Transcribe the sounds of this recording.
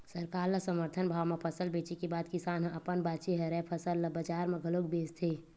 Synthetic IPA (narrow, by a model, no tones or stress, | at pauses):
səɾkaːɾləsəməɾt̪ʰənbʱaːʋmepʰəsəlbeːt͡ʃikebaːd̪kɪsaːnɦə̃ʔɐpənbaːt͡ʃeɦəɾɛpʰəsəlːəbəd͡ʒaːɾmẽɡʱəlok̚beːst̪ʰeː